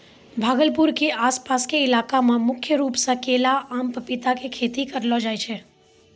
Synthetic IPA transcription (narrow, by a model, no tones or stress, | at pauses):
bʱaɡəlpuɾkiʔaspaskeɪlakamãmʊkʰjəɾupsəkelaʔamppɪt̪akekʰet̪ikəɾlod͡ʒajt͡ʃʰe